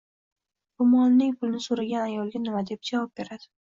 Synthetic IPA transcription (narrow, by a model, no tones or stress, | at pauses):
b̥ʊmɒlnɪŋʲpʰʊlˠnɪsoɾaɡʲanajɒlˠɡʲanɪmad̪e̞p̚d͡ʒavɒp̚be̞ɾad̪̥ɪ